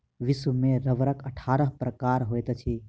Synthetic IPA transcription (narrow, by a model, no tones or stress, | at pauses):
ʋiswmeɾəʋɾəkəʈʰaːɾəɦpɾəkaːɾɦojt̪t͡ʃʰi